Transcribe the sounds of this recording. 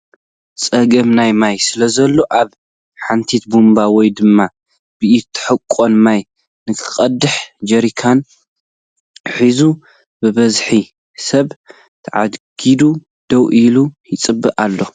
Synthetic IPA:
sʼɐɡɐmnajmajsɨlɐzɐlːo̞ʔaβ | ħant̪ʰit̪̚bumbawɔjd̪ɨmːa | b̥ɨʔit̪ʰɨ̥ħɨkʼːo̞nmaj | nɨkʰɨ̥xʼɐd̪ɨħd͡ʒɐɾikʰan | ħizu | bɨβɐzħi | sɐβ | t̪ʰɨʕa̰d̪ɡ̥id̪u | d̪̥ɐwʔilujɪt͡sʼɨbːɨʔʼalːo̞

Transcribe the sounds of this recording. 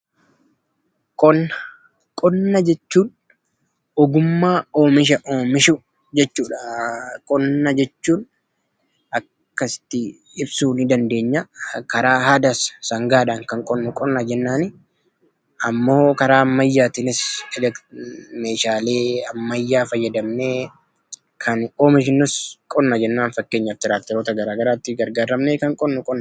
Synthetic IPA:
kʼɔnːɐ̥ | kʼɔnːɐd͡ʒɛt͡ʃːuːn | ɔɡʊmːaːoːmɪʃ̬ɐʔoːmɪʃʊ | d͡ʒɛt͡ʃːuːᶑɐkʼɔnːɐd͡ʒɛt͡ʃːuːn | ɐkkːɐsɪ̥t̪ːɪ | ɪbsuːnɪd̪ɐnd̪e̞ːɲːɐkɐɾaːɦaːd̪ɐssɐŋɡaːᶑaːŋkɐŋkʼɔnːʊkʼɔnːad͡ʒɛnːaːnɪ | ɐmːo̞ːkɐɾaːɐmːɐjːaːt̪ɪnɪsɐd͡ʒɐme̞ːʃaːle̞ːɐmːɐjːaːfɐjːɐd̪ɐmne̞ː | kʰɐnkʼo̞ːmɪʃ̬ɪnːʊskʼɔnːɐd͡ʒɛnːaːnfɐkːe̞ːɲːɐft̪ɪɾaːk̚t̪ɛɾoːt̪ɐɡɐɾaːɡɐɾaːt̪ːɪɡɐɾɡaːɾɐmneːkɐŋkʼɔnːʊkʼɔnːɐ

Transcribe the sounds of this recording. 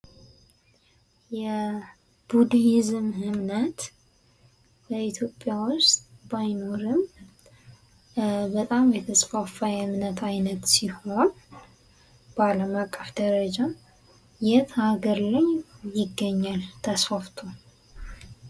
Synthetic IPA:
jɛ | b̥ud̪jɪzɨmhɨmnət̪ | b̥əit̪ʰjo̞pʼːjawʊst̪ʼbajno̞ɾɨm | bət̪ʼamjɛt̪ʰəsfafajhɨmnət̪ʰajnət̪siho̞n | b̥əaləmakʼːəfd̪əɾəd͡ʒa | jɛt̪ʰəhaɡəɾləɲjɪɡːəɲːalt̪ʰəsfaft̪ʰo

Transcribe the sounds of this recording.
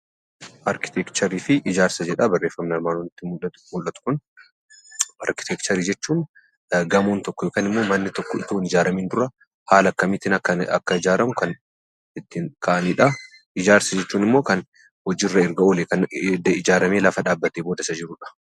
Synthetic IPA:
ʔɐɾkɪ̥t̪ʰɛkt͡ʃɐɾiːfɪʔɪd͡ʒaːɾsɐd͡ʒɛᶑɐbɐrːe̞ːfːɐmnɪɐɾmaːnɔnɪt̪ːɪm | mʊlːɐt̪ʊ̥kʊn | ɐɾkɪ̥t̪ɛkt͡ʃɐɾiːd͡ʒɛt͡ʃːuːn | ɡɐmuːnt̪ɔkːɔjokaːnɪmːo̞ːmɐnːɪt̪ɔkːɔɪ̰t̪oːnɪd͡ʒaːɾɐmiːnd̪ʊrɐ | haːlɐkːɐmɪt̪ɪnɐkːɐɐ̰kːɐɪd͡ʒaːɾɐmʊkɐn | ɪt̪ːɪnkʰɐʔɐniːᶑɐ | ʔɪd͡ʒaːɾsɐd͡ʒɛt͡ʃːuːnɪmːo̞ːkɐn | hɔd͡ʒɪrːɐɪɾɡɐoːlekɐnd̪ɪd͡ʒaːɾɐme̞ːlɐfɐᶑaːbːɐt̪eːbo̞ːd̪ɐsɐd͡ʒɪɾʊᶑɐ̥

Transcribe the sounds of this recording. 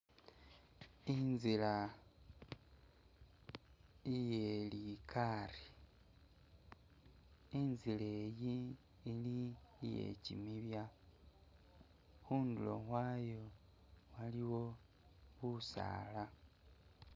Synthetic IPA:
inzila | ijelikʰari | inzile̞ːjiː | liːjḛcḭmiβja | xuːnduloxwaːjo | waliwo̞ | βusa̰ːla

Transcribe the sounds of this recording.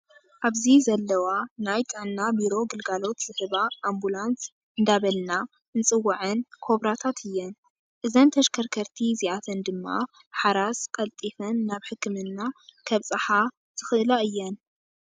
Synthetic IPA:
ʔaβzizɐlːɐwanajt̪ʼɨʕnːabiɾo̞ɡɨlɡalo̞t̪z̥ɨhɨβaʔːmbulans | ʔɨnd̪aβɐlna | ɨnt͡sʼɨwːaʕɨnkʰo̞βɾat̪ʰat̪ʰɨjːɛn | ʔɨzɐnt̪ʰɐʃkʰɐɾkʰɐɾt̪ʰiziʔat̪ʰɐnd̪ɨmːa̰ | ħaɾaskʼɐlt̪ʼifɐnːaβħɨkʰːɨmɨnːakʰɐβt͡sʼɨħa | z̥ɨxɨʔɨlaɨjːɛn

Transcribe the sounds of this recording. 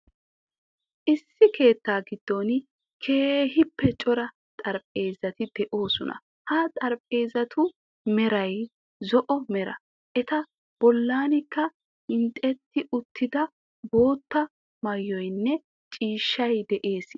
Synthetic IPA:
ʔɪsːɪke̞ːt̪ːaːɡɪd̪̥ːɔn | kʰe̞ːɦɪpːɛt͡ʃʼɔɾɐ | t̪ʼɐɾpʼe̞ːzɐt̪ɪd̪̥ɛʔo̞ːsʊnɐ̰ | hɐt̪ʼɐɾpʼe̞ːzɐt̪ʰʊ | mɛɾɐj | zɔʔɔmɛɾɐ̰ | ʔɛt̪ɐ | b̥ɔlːaːnɪkːɐ | ɪnt̪ʼɛt̪ːɪʔʊt̪ʰːɪd̪ɐ | bo̞ːt̪ːɐ | mɐjːɔjnːɛ | t͡ʃʼiːʃːɐjd̪ɛʔe̞ːs

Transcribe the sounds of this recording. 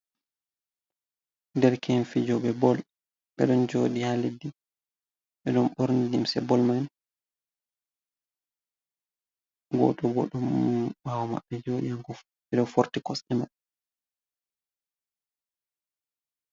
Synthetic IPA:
dɛɾkʰɛnfid͡ʒɔɓɛbɔl | ɓɛ̰ɗɔnd͡ʒoɗihalidi | ɓɛɗɔnɓɔɾnidimsɛ̰bɔlman | ɡɔ̰tɔbɔ̰ɗɔmɓawɔma̰ɓːɛd͡ʒoɗihaŋkɔ | ɓɛɗɔfoɾtikɔsɛma

